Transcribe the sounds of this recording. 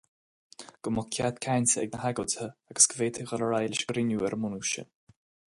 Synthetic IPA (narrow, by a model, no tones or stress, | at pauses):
ɡ̥əmʊkʰjat̪kʰajnʲsəɛ̰ɡ̚nəhaɡəlthəaɡə̥sɡ̥əveːt̪ʰɪɣələɾajlɪʃɡ̥ɾɪnjuːɛɾʔəmʊnuʃə̰n